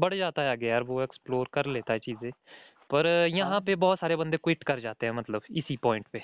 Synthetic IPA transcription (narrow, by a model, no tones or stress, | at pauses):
bəɽd͡ʒaːt̪aːɛaːɡejaːɾʋoːɛːksploːɾkəɾleːt̪aːɦɛːt͡ʃiːzẽː | pəɾjəɦãːpeːbɔːt̪saːɾeːbənd̪eːkwɪʈkəɾd͡ʒaːt̪eːɦɛ̃ːmət̪ləbɪsiːpɔːɪ̃ɳʈpeː